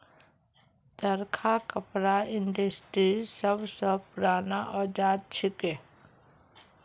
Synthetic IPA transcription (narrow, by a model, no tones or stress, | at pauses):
d̪əɾkʰakəpɾaɪnɖəsʈɾisəbsəpʊɾaːnaʔɔːd͡ʒaːd̪̚t͡ʃʰɪke